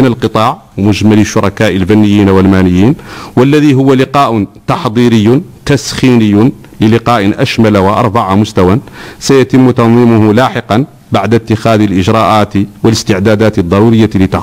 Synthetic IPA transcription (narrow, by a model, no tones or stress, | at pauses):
nəlqət̪ˤɑʕmʊʒmæləʃːʊɾˤɑkæʔəlfænːəjːinwəlmænəjːiːnwəlːæðiɦʊwːalɪqɑʔʊt̪ɑħd̪ˤiɾəjːʊt̪æsxinəjːʊn | ləlɪqɑːʔnʔæʃmælawʔɑ̰ɾˤbɑʕamʊst̪æwansæjæt̪əmːt̪ɑnðˤimʊhʊlaħəqɑn | baʕd̪æt̪ːəxæd̪ilʔəʒɾˤɑʔat̪wələst̪əʕd̪æd̪æt̪əd̪ˤːɑɾuɾəjːalət̪ɑʕ